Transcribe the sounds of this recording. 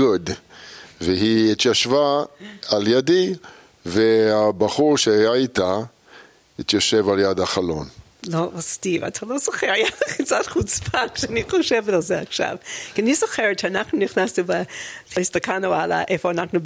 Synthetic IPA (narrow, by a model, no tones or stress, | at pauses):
od̪ | veɦiit̪jaʃvaaljadi | vehabaχuʁʃeajait̪a | hit̪jaʃevaljad̪aχalo̰n | lovastiva̰tʰalozoχɛɾajaaχt͡satχut͡spʰakʃɛaniχoʃɛvtalzɛaχʃa̰vkianizoχɛɾt͡ʃɛanaχnuniχnasnubaistakʰanuala̰ʔefoanaχnu